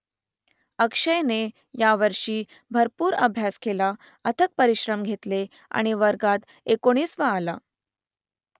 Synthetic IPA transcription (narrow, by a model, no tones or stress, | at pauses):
əkʂəjne | jaʋəɾʂiː | bʱəɾpuːɾə̰bʱjaskʰela | ət̪ʰək̚pəɾiɕɾəmɡʱet̪le | a̰ɽ̃iʋəɾɡat̪ | ekoɽ̃iːsʋəːla